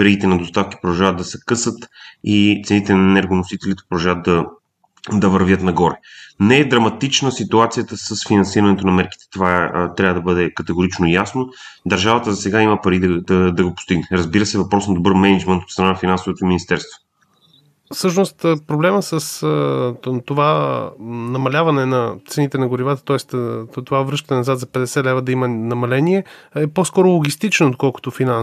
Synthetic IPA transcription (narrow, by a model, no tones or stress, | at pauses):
vɛɾiɡit̪ɛnɐd̪ost̪afki̥pɾod̪ɐʒavətd̪ɐsɛkɤsət̪it̪sɛnit̪ɛnɐɛnɛɾɡonosit̪ɛlit̪ɛpɾod̪ɐʒavət̪̚d̪ɐ | d̪ɐvəɾvʲjət̪nɐɡɔɾɛnɛɛd̪ɾɐmɐt̪it͡ʃnəsit̪uat̪sijət̪əsəsfinɐnsiɾɐnɛt̪onɐmɛɾki̥t̪ɛ̥t̪ovat̪ɾavəd̪ɐbɤd̪ɛkɐt̪ɛɡoɾit͡ʃnojasno | d̪ɐɾʒavət̪əzɐsɛɡaimɐpɐɾid̪ɐd̪ɐd̪ɐɡopʊ̥st̪iɡnɛɾəzbiɾəsɛvɐpɾɔsnɐd̪obɤɾmɛnɐd͡ʒmɛnt̪ot̪st̪ɾnanɐfinansovot̪oiminist̪ɛɾst̪vo̥ | fsɤʃnost̪pɾoblɛməsəs | t̪ova | nɐmɐlʲavɐnɛnɐt̪sɛnit̪ɛnɐɡʊɾivat̪ə̥t̪ɔɛst̪t̪ovavɾɤʃt̪ənɛnɐzat̪zɐpɛd̪ɛsɛlɛvəd̪ɐimɐnɐmɐlɛniɛɛpɔskɔɾʊlˠoɡʲist̪it͡ʃɛnot̪̚kɔlˠko̥t̪ofina